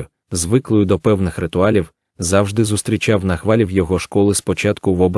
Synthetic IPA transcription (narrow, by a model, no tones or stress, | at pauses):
ʊ | zʋɪklˠɔjʊd̪ɔpɛwnɪxrɪt̪ʊɑlʲiw | zɑwʒd̪ɪzʊst̪ɾʲit͡ʃɑwnɐxʋɑlʲiwjɔɦɔʃkɔlˠɪspɔt͡ʃɑt̪kʊʋɔbɾ